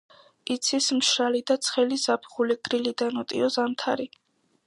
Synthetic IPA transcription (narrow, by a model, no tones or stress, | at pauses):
it̪sʰismʃɾalid̪at̪sʰχɛlizapʰχuliɡɾilid̪anɔt̪ʼḭɔzamt̪ʰaɾi